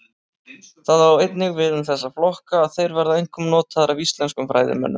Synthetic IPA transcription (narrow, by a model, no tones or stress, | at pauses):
θaðawejt̪nɪɣvɪðʏnθɛsːaflɔhkaːðθejɾvɛɾðaejŋkʰɔmnɔːt̪ʰaðaɾavist̪lɛnskʏmfɾa̰jðɪ̰mɛ̰nːʏm